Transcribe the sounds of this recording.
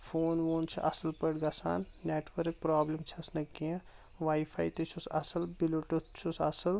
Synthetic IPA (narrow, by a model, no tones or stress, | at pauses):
fʰoːnʋoːnt͡ʃʰiʔɐsɐlpəɽɡɐsa̰ːnːeːʈʋɐɾk̚pɾaːblimt͡ʃʰiɐsnɐkiɐ̃ | ʋaːipʰa̰ːjt̪et͡ʃʰusɐsɐlbiloʈut̪t͡ʃʰusɐsɐl